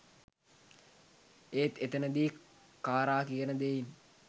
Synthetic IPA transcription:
eːt̪et̪ənəd̪iː | kaːɾaːkijənəd̪ein

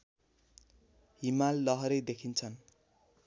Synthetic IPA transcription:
ɦimalːʌɦʌɾʌjd̪ekʰint͡sʰʌn

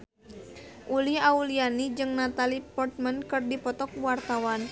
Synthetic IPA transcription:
ʔuliaulianid͡ʒɨŋnat̪alipɔrt̪̚mankɨrdipɔt̪ɔk̚wart̪awan

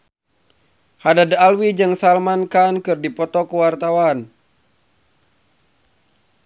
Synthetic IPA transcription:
hadadalwid͡ʒɨŋsalmankankɨrdipɔt̪ɔkuwart̪awan

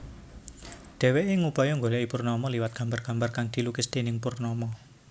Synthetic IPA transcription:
ɖ̪̥ɛ̤weʔeŋupɔjɔŋɡolɛʔipurnɔmɔliwat̪̚ɡ̥ä̤mbarɡ̥ä̤mbarkaŋd̪̥i̤lukɪsd̪̥enɪŋpʊrnɔmɔ

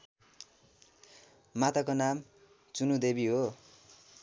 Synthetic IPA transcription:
mat̪akonam | t͡sunud̪ebiɦo

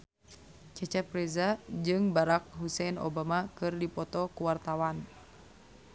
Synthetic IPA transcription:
t͡ʃɛt͡ʃɛt̪̚pɾɛzad͡ʒɨŋbaɾak̚ɦusɛnɔ̰bamakɨrdipɔt̪ɔkuwart̪awan

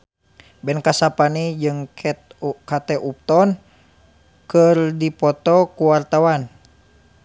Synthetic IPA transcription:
bɛnkasapanid͡ʒɨŋkʰɛt̪kat̪ɛʔup̚t̪ɔn | kɨrdipɔt̪ɔkuwart̪awan

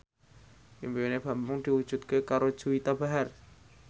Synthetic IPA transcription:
ʔimbeoneb̥a̤mbʊŋd̪̥i̤wu̥d͡ʒ̥ṳt̪̚kekaɾo̥d͡ʒ̥uit̪abaɦar

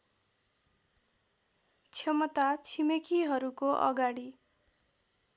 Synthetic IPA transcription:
t͡sʰjʌmʌt̪at͡sʰimekiɦʌɾukoʔʌ̰ɡaɽi

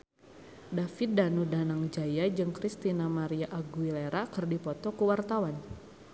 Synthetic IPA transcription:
dafit̪̚danudanaŋd͡ʒajad͡ʒɨŋkɾist̪inamaɾiaʔaɡuileɾakɨrdipɔt̪ɔkəwart̪awan

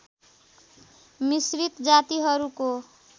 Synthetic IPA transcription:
misɾit̪d͡zat̪iɦʌɾuko

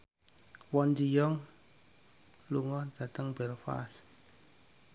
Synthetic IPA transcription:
wɔnd͡ʒijɔŋ | luŋɔnzat̪əŋbɛɾfa̰s

